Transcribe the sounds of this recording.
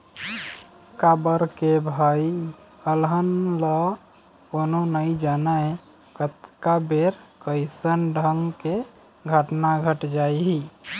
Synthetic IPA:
kabəɾkebʱaj | əlɦənlɔ | kononəid͡ʒanae | kət̪kabeɾkəɪsənɖʱəŋɡke | ɡʱəʈnaɡʱəʈd͡ʒajɦi

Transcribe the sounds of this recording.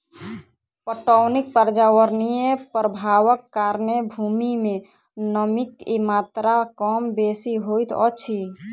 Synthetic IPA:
pəʈəwnik̚pəɾd͡ʒaʋəɾnijepɾəbʱaʋəkːaɾnebʱumime | nəmikimat̪ɾakəmbesiɦojt̪ɔ̰t͡ʃʰi

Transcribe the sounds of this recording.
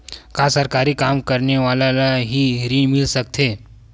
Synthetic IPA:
kasəɾkaɾiːkamkəɾɳeʋalalaɦiːɾiːɳmɪlsəkt̪ʰe

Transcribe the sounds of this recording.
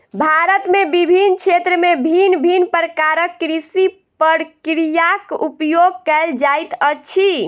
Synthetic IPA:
bʱaɾət̪mebibʱint͡ʃʰet̪ɾəmebʱinbʱinpəɾəkaɾəkːɾisi | pəɾkɾijakupjoɡ̚kɛld͡ʒajt̪ət͡ʃʰi

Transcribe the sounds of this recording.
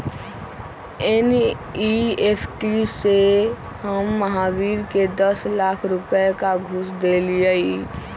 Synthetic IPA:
en | iepʰʈise | həmːəɦabiɾked̪əslakʰɾupekaɡʱusd̪elijəi

